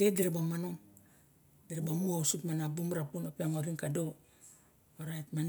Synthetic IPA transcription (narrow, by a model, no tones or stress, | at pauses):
dediɾebamanoŋ | diɾebamuosutmanabumɾapunopiaŋoɾiŋkado | oɾatman